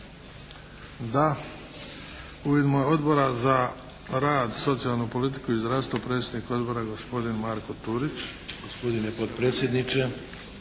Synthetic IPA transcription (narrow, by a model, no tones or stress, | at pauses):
d̪a | ujed̪mojeo̞d̪bo̞ɾaza | ɾaːd̪so̞t̪sijalˠnupo̞lit̪̬i̥kuizd̪ɾavst̪vopɾe̞ːt̪sʲjed̪nikao̞d̪bo̞ɾaɡo̞spo̞d̪inmaɾkot̪uɾit͡ɕɡ̥ospod̪inepot̪pɾeːt̪sjed̪nit͡ʃe